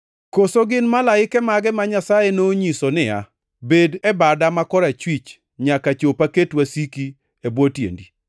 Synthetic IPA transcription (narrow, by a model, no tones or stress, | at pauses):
kosoɡɪnmalaɪkɛmaɡɛmaɲasajenoɲisonɪa̰ | bedɛbadamakɔɾat͡ʃwit͡ʃ | ɲakat͡ʃopaketwasiki | ebwotjḛndi